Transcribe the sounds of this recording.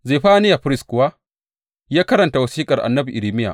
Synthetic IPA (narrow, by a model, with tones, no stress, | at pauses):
zeː˨ɸaː˦nɪ˦ja˨ɸɪ˦ɾɪ˦skʷʊ˨waː˦ | jaː˦kɐ˦ɾɐ˨nta˨wɐ˨siː˦kʼɐ˨rʔa̰˨nːɐ˦bi˨ʔɪ˨ɾiː˨mɪ˦ja̰˨ʔ